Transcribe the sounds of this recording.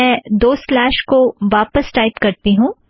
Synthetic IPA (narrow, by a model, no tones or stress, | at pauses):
ɛ̃d̪oːslɛːʃkoʋaːpəsʈaːɪpkɐɾt̪iɦũː